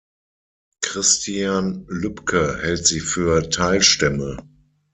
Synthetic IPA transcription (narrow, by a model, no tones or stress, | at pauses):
kʁ̥ɪstiaːnlʏpkʰəhɛltz̥iːfyːɐtʰaɪlʃtɛmə